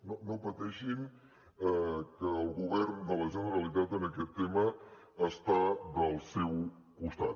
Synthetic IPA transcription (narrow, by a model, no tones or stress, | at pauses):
nonopət̪ɛʃin | əkəːlˠɣuβɛrnd̪ələsənəɾəlit̪̬at̪ənəkɛt̪ːeməː | st̪aðəlˠsɛw | kust̪at̪